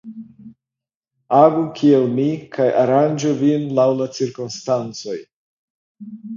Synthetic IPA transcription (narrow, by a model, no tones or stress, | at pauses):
aɡukʰielmikʰajʔaɾand͡ʒuvinlawlat͡siɾkumstant͡so̞j